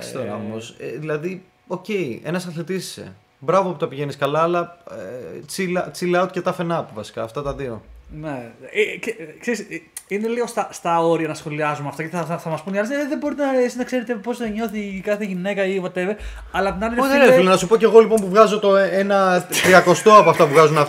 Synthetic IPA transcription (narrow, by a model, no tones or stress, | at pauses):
st̪oɾɐ̰omosḛðilɐði | o̞ce̞ienɐsɐθit̪isi̥se̞̰ | bɾɐvoput̪ɐpiʝe̞niskɐlɐːlɐet͡silɐt͡silɐot̪cet̪ɐfe̞nɐpivɐsi̥kɐ̰ːft̪ɐt̪ɐðio̞̰nekekse̞ɾisine̞liɣo̞st̪ɐst̪ɐo̞ɾiɐnɐsxo̞liɐzumɐft̪ɐceθɐθɐmɐspuniɐlizɐðiðeboɾit̪enɐesiznɐkse̞ɾet̪epipo̞zɐɲo̞θikɐθeʝine̞kɐivɐt̪eve | ɐlɐt̪nɐlileðenelɐnɐsupo̞ce̞ɣo̞lipo̞npuvɣɐzo̞t̪o̞eenɐt̪ɾiɐko̞st̪oɐpoɐft̪ɐpuvɣɐzunɐ